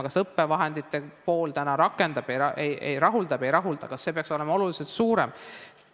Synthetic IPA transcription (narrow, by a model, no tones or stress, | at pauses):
kɑsɤpːe̞vɑɦe̞nd̪̥it̪ːˑe̞po̞ːlt̪ænɑɾɑkːˑe̞nd̪̥ɑb̥ejɑejʔḛjɾɑɦuld̪̥ɑbe̞jɾɑɦuld̪̥ɑkɑsːe̞pe̞ɑkso̞le̞mɑo̞lulise̞lt̪suːɾe̞̰m